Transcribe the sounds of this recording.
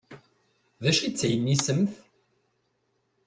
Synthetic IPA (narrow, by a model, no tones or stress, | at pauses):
ðæʃit͡sːæjənːisəmθ